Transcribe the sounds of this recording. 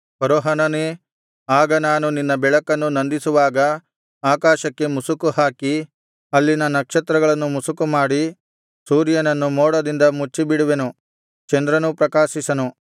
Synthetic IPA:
pɐɾoːɦɐnɐneː | aːɡɐnaːnuninːɐbɛɭɐkːɐnːunɐnd̪isuʋaːɡɐ | aːkaːʃɐkːe̞musukuhaːki | ɐlːinɐnɐkʂɐt̪ɾɐɡɐɭɐnːumusukumaːɽi | suːɾjɐnɐnːumoːɽɐd̪ind̪ɐmut͡ʃːibiɽuʋenu | t͡ʃɐnd̪ɾɐnupɾɐkaːʃisɐnu

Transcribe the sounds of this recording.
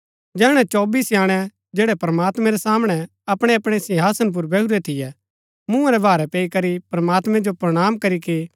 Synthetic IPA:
d͡ʒɛːɽ̃ɛt͡ʃɔːbiːsjaːɽ̃ɛ | d͡ʒɛːɽɛpɾɐmaːt̪mɛ̃ɾɛsaːmɽ̃ɛ | ɐpɽ̃eɐpɽ̃esɪɦaːsənp̬ʊɾbʱɛuɾɛt̪ʰɪjɛ | mũãɾɛbʱaːɾɛpeːikɐɾipɾɐmaːt̪mɛ̃d͡ʒopɾɐɽ̃aːmkɐɾiki

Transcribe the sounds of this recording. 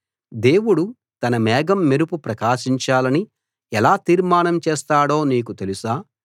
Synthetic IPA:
d̪e̞ːwuɽu | t̪ɐnɐmɛːɡɐmːeɾupupɾɐkaːʃiɲt͡ʃaːlɐni | ɛlaːt̪iːɾmaːnɐmt͡ʃɛːst̪aːɽo̞ːniːkut̪elusaː

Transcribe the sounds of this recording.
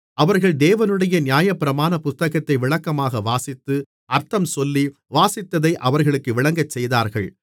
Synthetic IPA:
ɐʋɐɾɣɐɭd̪eːʋɐnɯɽɐjɐnɪjaːjɐpːɪɾɐmaːnɐpʊst̪ːɐɣɐt̪ːɐɪʋɪɭɐkːɐmaːɣɐʋaːsɪt̪ːɯ | ɐɾt̪ːɐmsɔlːi | ʋaːsɪt̪ːɐðɐɪʔɐʋɐɾɣɐɭɯkːɯʋɪɭɐŋɡɐt͡ʃːɛjðaːɾɣɐɭ

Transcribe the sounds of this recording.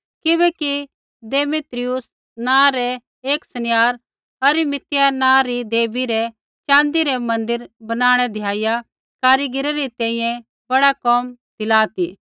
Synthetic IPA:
kɪbɛki | d̪eːmɪt̪ɾɪʊs | nãːɾɛ | eːksɐnɪjaːɾ | ɐɾɪmɪt̪ɪjanãːɾid̪eːbiɾɛ | t͡ʃãːnd̪iɾɛmɐ̃nd̪əɾbɐnaːɽ̃ɛd̪ʱɪjaːɪja | kaːɾiɡɪɾɐɾit̪ɛ̃ːĩːjɛ̃ | bɐɽakɔmd̪ɪlaːt̪iː

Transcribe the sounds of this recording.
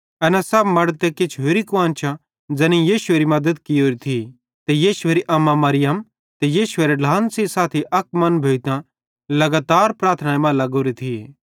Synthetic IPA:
ɐnɛsɐbmɐɽt̪eket͡ʃʰɦoːɾikʊãːnt͡ʃʰa | d͡zɛnĩjiːʃʊeːɾimɐd̪əd̪kioːɾit̪ʰi | t̪ejiːʃʊeːɾiʔɐmːãmɐɾɪjəm | t̪ejiːʃʊeːɾeɖʱaːnsisaːt̪ʰiʔɐk̚mɐnbʱeːit̪ã | lɐɡaːt̪aːɾpɾaːɾt̪ʰnaːemãlɐɡoːɾit̪ʰie

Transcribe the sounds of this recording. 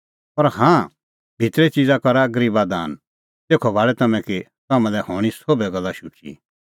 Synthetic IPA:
pɐɾhãː | bʱɪt̪ɾɛt͡ʃid͡zakɐɾaɡɐɾiːbad̪a̰ːn | t̪eːkʰɔbʱaːɭɛt̪ɐmɛ̃ki | t̪ɐmɛ̃lɛhɔːɽ̃isobɛɡɐlːaʃʊt͡ʃḭ

